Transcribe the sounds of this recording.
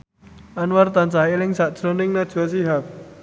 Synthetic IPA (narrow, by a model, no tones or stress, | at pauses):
ʔanwart̪ant͡ʃailɪŋsaʔd̥ʒ̥ɾo̤nɪŋnad̥ʒ̥asiɦak̚